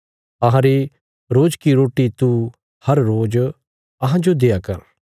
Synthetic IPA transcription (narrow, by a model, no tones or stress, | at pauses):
ɐɦãɾi | ɾoːd͡ʒkiɾoːʈit̪u | hɐɾːoːd͡ʒ | ɐɦãd͡ʒod̪eːjakɐ̰ɾ